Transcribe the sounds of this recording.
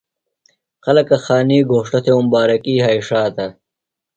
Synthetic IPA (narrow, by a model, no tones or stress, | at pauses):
qɐlɐkɐxaːniːɡʱoːʂʈɐt̪ʰeumbaːɾɐkiːɦaːiʂaːt̪ɐ